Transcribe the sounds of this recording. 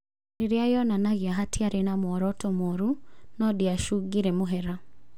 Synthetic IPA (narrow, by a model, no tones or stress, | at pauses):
ɾeɾjajɔnanaɣiaɦatʰiaɾenamwɔɾɔtomoɾunɔdiaʃuɡiɾɛmoɦɛɾa